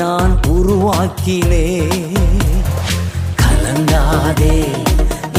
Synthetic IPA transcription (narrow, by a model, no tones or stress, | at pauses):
aːnʊɾuʋaːkːɪleː | kʰɐlɐŋd̪aːðeː